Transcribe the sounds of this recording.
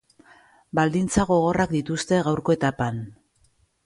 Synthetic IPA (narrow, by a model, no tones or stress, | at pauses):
bald̪int͡saɣo̞ɣ̞o̞rakd̪it̪ust̪e̞ɣawɾko̞e̞t̪apan